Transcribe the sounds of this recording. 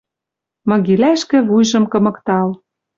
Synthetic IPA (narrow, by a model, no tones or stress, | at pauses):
mɤ̆ɣilæʃkɘ̆βujʒɤ̆mkɤ̆mɤ̆kt̪ɑl